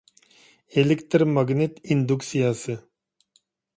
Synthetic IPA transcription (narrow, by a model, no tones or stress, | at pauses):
elekt̪ɾmaɡnet̪ind̪uksijasɨ